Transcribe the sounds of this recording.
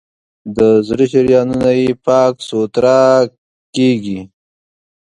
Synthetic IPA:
d̪əzɾiʃɪɾjɑnunajepɑksot̪ɾɑ | keɡi

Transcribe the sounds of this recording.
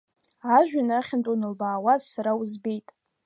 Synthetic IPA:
aʒᶣanaχʲɪntʼunɨlbaːwazsaɾawuzbe̞jtʼ

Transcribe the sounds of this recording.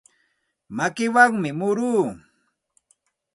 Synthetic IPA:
makɪwaŋmɪmʊɾuː

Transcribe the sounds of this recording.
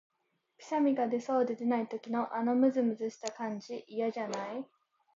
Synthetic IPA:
pʲi̥samʲiɡad̪e̞so̞ːd̪e̞d̪e̞nait̪o̞kʲino̞ʔano̞mɯ̟zɨmɯ̟zɨɕi̥t̪akãɲ̟d͡ʑiʔːjaʑanai

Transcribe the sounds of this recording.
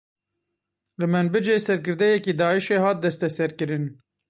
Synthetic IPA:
lɨmɨnbɨd͡ʒeːsɛɾkɨɾd̪ɛjɛkid̪ɑːiʃeːhɑːt̪̚d̪ɛst̪ɛsɛɾkɨɾɨn

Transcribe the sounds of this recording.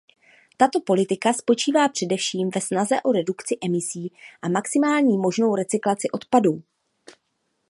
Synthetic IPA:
t̪at̪o̞po̞lɪt̪ɪkaspo̞t͡ʃiːvaːpr̝̥ɛdɛfʃiːmvɛsnazɛʔo̞ɾɛdukt͡sɪʔɛmɪsiːʔamaksɪmaːlɲiːmo̞ʒno̞wɾɛt͡sɪklat͡sɪʔo̞t̪paduː

